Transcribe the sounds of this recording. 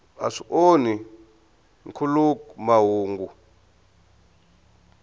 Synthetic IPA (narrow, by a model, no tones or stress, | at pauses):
a̰ʂiʔoni | ŋkʰulukmaɦuːŋɡu